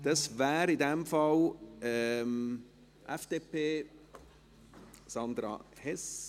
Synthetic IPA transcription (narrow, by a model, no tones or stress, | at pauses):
d̥ɑsvæːɾidɛmfɑlɛm | ʔɛfd̥eːpʰeː | sɑnd̪ɾɑ̰hɛs